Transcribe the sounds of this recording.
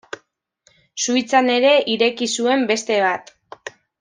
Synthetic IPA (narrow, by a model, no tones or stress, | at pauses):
sujt͡sane̞ɾe̞ʔiɾe̞kisue̞mbe̞st̪e̞β̞at̪